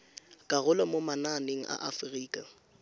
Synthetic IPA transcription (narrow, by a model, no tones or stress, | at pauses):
kʼaɣʊlɔmomananeŋ̩ʔa̰ʔafriːkʼa